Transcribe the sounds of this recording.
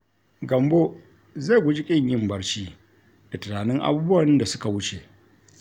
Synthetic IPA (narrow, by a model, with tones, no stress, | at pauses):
ɡɐ˨mbo˦ | za˦˨ɡʷʊ˦d͡ʒi˦kʲʼɪ˦ɲjɪ˦mbɐ˦ɽt͡ʃiː˦ | d̥a˨tɪ˨naː˨nɪ˦ŋʔa̰˦buː˦bʊ˦wɐ˨nda˨sʊ˦ka˨wʊ˦t͡ʃe˨ʔ